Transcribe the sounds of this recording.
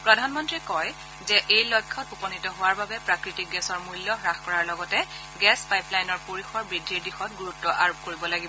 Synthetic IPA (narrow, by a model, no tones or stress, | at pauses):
pɹɔdʱanmɔntɹikɔj | zɛʔejlɔjkʰːɔtupɔnitɔɦʊwaɹbabɛpɹakɹitik̚ɡɛsɔɹmujlːɔɹaxkɔɹaɹlɔɡɔtɛ | ɡɛspajplajnɔɹpoɹixɔɹbɹidʱːiɹdixɔt̚ɡuɹutːɔʔaɹop̚koɹibɔlaɡibɔ